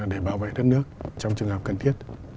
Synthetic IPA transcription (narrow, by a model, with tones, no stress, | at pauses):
ɗe˧˩ɓaː˧˩wvḛ˧˨jɗə˦˥t̚nɨ˦˥ək̚t͡ɕɔ˧wŋ͡mt͡ɕɨ˨˩əŋhəː˨˩p̚kə˨˩nt̪ʰi˦˥ət̚